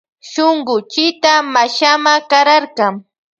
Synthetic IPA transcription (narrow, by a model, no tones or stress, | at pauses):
ʃoŋɢʊt͡ʃɪt̪amaʃamakaɾaɾkɑŋ